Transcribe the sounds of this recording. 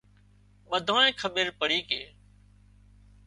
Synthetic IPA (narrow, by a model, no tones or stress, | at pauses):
ɓəd̪ʱõːnẽːkʰəɓeːɾpəɽiːkḛː